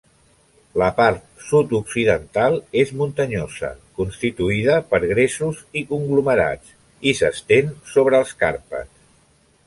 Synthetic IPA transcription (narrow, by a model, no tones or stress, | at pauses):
ləpaɾt̪̚sut̪uksiðənt̪alˠezmunt̪əɲozə̰kunst̪it̪uiðəpəɾɣɾesuzikuŋɡluməɾa̰t͡s | isəst̪ensoβɾəːlˠskaɾpə̰t͡s